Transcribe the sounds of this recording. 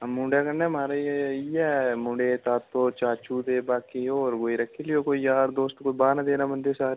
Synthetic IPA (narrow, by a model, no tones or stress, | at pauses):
mũːɳɖakɐnːɛmaːɾaiɛmʊ̃ːɳɖet̪aːt̪ːot͡ʃaːt͡ʃuːd̪ebaːkioːɾɡoːiɾɐkʰːelijokoijaːɾd̪oːst̪koibaːnad̪eːnamɐnd̪esaːɾ